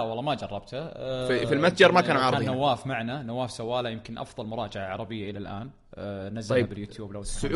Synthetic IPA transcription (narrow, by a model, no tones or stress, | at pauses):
wɑlːɑːmad͡ʒɑrˤːɑb̚t̪aifilmat̪d͡ʒɑɾˤmakaːnʕɑːɾanːawːaːfmaʕnanawːaːfsawːaːlajɪmkɪnʔɑ̰fðˤɑlmʊɾˤɑːd͡ʒaʕaʕɑɾˤɑbɪjːaʔɪlalʔaːn | nazːaabɪljuːt̪juːblaws